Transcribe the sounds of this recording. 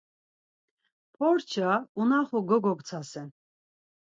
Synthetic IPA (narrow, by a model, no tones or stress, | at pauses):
pʰɔɾt͡ʃʰaunaχuɡɔɡɔkʼt͡sʰasɛn